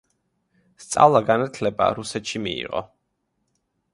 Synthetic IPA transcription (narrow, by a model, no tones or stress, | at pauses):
st̪sʼa̰vlˠaɡanat̪ʰlɛba̰ɾusɛt̪ʃimiḭʁɔ̰